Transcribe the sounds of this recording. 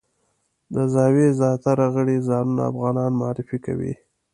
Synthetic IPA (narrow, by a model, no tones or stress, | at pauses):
d̪əzɑwezjɑt̪aɾaɣəɽizɑnuna̰a̰fɣɑnɑnmʊɑɾɪfika̰wḭ